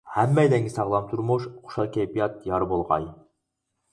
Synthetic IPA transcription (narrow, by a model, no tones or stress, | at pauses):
hɛmːɛjd̪ɛŋɡʲisɑʁlˠɑmt̪ʰuɾmuʃχʰʊ̥ʃɑlˠkʲʰɛjpijɑt̪̚jɑɾbolˠʁɑ̰j